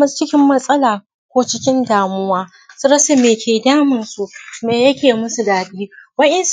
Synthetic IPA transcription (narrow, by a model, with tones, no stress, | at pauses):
mɐ˦st͡ʃɪ˦kʲɪ˦mːɐ˦sʼɐ˦laː˨ | kʷoː˦t͡ʃɪ˦kʲɪ˦ndaː˨mʊ˦waː˦ | su˦ɾɐ˦sa˨meː˨kʲʰeː˨daː˦mɪ˨nsu˨meː˨jɐ˦kʲeː˨mʊ˦su˨daː˨ɗiː˦wɐ˦ʔɪ˦ns